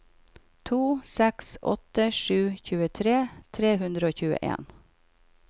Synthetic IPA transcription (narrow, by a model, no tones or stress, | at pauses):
t̪ʰuːsɛksʔɔ̰t̪əʂʉːçʉːət̪ʰɾeːt̪ʰɾeːhʉnd̪ɾəoːçʉːə̰ʔḛːn